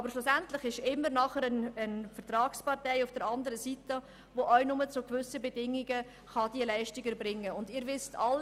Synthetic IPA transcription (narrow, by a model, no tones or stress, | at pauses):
ɑbəɾʃlʊsæntlɪχɪʃɪmːəɾnɑχəɾənənfəɾtɾɑːkspɑʁtɛɪʊfd̥əɾɑndəɾəsitə | voʔœʏnʊmət͡sʊkvʏsəbɛdɪŋiɡə | χɑd̥iəlɛɪʃtɪɡəɾbɾɪŋːəʊndɪːɾʋɪstɑl